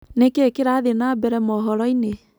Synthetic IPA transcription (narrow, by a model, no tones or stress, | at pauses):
nekekeɾaðenaːbɛɾɛmɔɦɔɾɔine